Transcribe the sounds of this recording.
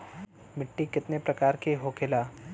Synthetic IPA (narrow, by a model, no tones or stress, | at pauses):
mɪʈːikɪt̪nepɾɐkaːɾkeɦoːkɪlaː